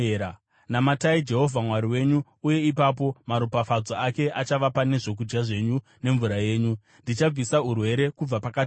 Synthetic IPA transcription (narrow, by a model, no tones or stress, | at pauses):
a | namataid͡ʒe̞ɦo̞vʱamwaɾiwe̞ɲuːje̞ipapo̞maɾupafad͡zoake̞ʔat͡ʃaʋapane̞ʐo̞k̬ud͡ʒɡaʐe̞ɲu | ne̞ɱvuɾaje̞ːɲu | ndit͡ʃab͡visaurwe̞ɾe̞kub͡vapakat